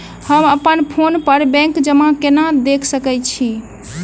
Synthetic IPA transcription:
həməpənpʰonpəɾbɛ̃ŋkd͡ʒəmãkenad̪ekʰsəkɛt͡ʃʰi

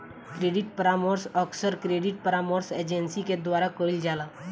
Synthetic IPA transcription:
kɾeːɖɪʈ̚pəɾamoːɾsɔksəɾkɾeːɖɪʈ̚pəɾaːmoːɾseːd͡ʒɛnsiked̪waːɾakoːɽild͡ʒaːlaː

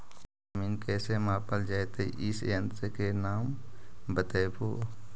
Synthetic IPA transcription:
miːnkɛːsemaːpəld͡ʒaet̪eʔɪsjə̃nt̪əkenaːmbət̪eːpʰoː

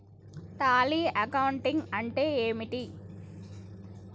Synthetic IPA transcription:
t̪aːliːʔɐkɐwuɳʈiŋɡɐɳʈeːeːmiʈi

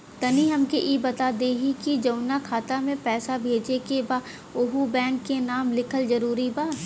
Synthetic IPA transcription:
t̪ɐniɦɐmkeʔibɐt̪aːd̪eɦikid͡ʒɐʊnakʰaːt̪amẽpɛːsabʱeːd͡ʒekebaː | ʊɦubɛ̃ːɳkkenaːmlɪkʰəlzɐɾuːɾibaː

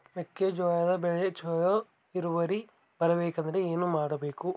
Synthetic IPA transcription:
ʋekːed͡ʒɔːjɐd̪ɐbɛɭet͡ʃoːjo | iɾuʋɐɾi | b̥ɐɾɐbeːkɐnd̪ɐɾeeːnumaːɽɐbeːku

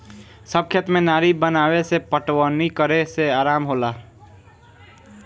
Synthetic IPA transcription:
səb̚kʰjət̪mẽnaːɾibənaːwesepəʈwənikəɾeseaːɾaːmɦola

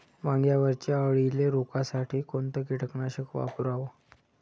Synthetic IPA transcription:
mãŋɡjaʋəɾt͡ɕaəʋɭileɾokasaʈʰiːkont̪əkiʈəknaɕəkʋa̰puɾaʋo

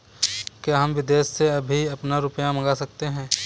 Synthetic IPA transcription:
kjaɦɐmʋɪd̪eːsːeɐbʱiɐpnaɾʊpjamɐɡasɐk̚t̪eɦɛ̃ː

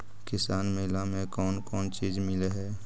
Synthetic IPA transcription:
kɪsaːnmɪlamẽkɔːnkɔːnt͡ʃiːd͡ʒmɪleɦɛː

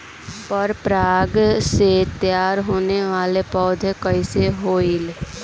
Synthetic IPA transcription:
pəɾpɾaːɡset̪jaːɾɦoːneʋaːlepɔːd̪ʱkəiseɦoːil

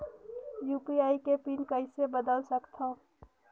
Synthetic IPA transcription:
juːpiaːikepiːnkɐɪ̃sebəd̪əlsəkt̪ʰãː

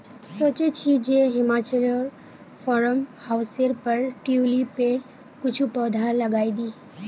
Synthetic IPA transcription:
soːt͡ʃet͡ʃʰid͡ʒeɦɪmaːt͡ʃəlɔːɾ | pʰɔɾəmhaʊseɾpəɾʈiulipeɾ | kʊt͡ʃʰupɔːd̪ʱalɐɡaːid̪iː

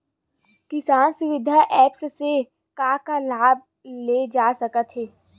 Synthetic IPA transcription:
kɪsaːnsʊʋɪd̪ʱaʔɛːpsse | kaːkalaːb̚ | leːd͡ʒaːsɐkət̪ɦeː

